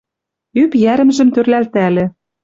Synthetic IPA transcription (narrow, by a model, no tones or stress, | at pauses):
ypjæɾɘ̆mʒɘ̆mt̪ørlælt̪ælĕ